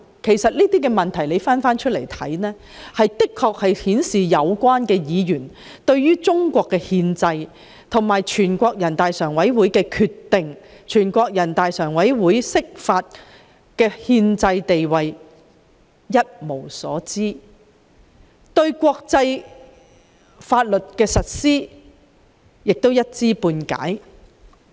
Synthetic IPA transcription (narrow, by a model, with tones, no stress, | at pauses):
kʰe˨˩jsɐ˨t̚liː˥t̪iː˥kɛ˧mɐ˨˩nt̪ʰɐ˨˩jle˨˧jfaː˥nfaː˥nt͡ʃʰɵ˥t̚lḛ˨˩jt̪ʰɐ˨˥jnɛː˥ | hɐ˨jt̪ɪ˥kʰːɔː˧k̚hɐ˨jhiː˨˥nsiː˨jɐ˨˧wkʷaː˥nkɛː˧jiː˨˧jyː˨˩n | t̪ɵ˧ɥjyː˥t͡sʊ˥ŋkʷɔː˧kːɛː˧hiː˧nt͡sɐ˧j | t̪ʰʊ˨˩ŋmaː˨jt͡ʃʰyː˨˩nkʷɔː˧k̚jɐ˨˩nt̪aː˨jsœː˨˩ŋwɐ˨˥jwuː˨˥jkɛː˧kʰyː˧t̪ːɪ˨ŋt͡ʃʰyː˨˩nkʷɔː˧k̚jɐ˨˩nt̪aː˨jsœː˨˩ŋwɐ˨˥jwuː˨˥jsɪ˥k̚faː˧t̚ | kɛː˧hiː˧nt͡sɐ˧jt̪e˨jwɐ˨j | jɐ˥t̚mo˨˩wsɔ̰ː˨˥t͡siː˥ | t̪ɵ˧ɥkʷɔː˧k̚t͡sɐ˧j | faː˧t̚lɵ˨t̚kɛː˧sɐ˨t̚siː˥ | jɪ˨k̚t̪o˥wjɐ˥t̚t͡siː˥puː˧nka̰ː˨˥j